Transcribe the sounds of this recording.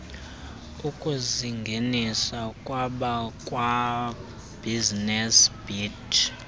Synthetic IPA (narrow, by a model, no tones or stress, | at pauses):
ukʼuziŋɡʱenisakʼwaɓakʼwa | b̥ʱiznɛsb̥id